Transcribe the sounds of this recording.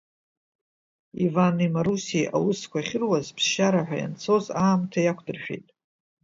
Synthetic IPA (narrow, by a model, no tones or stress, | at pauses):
ivanimaɾusiʔa̰wʊskʷaχʲɪrwazpʰzʃaɾaħʷᶣa̰ja̰nt͡sʰo̞zaːmtʰajakʷʰʼdɨrʃᶣḛjtʼ